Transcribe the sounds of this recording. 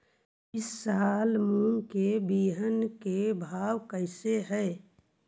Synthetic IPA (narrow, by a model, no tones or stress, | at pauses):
ɪsːaːlmũŋkebiːɦənkebʱaːwkəɪseɦɛː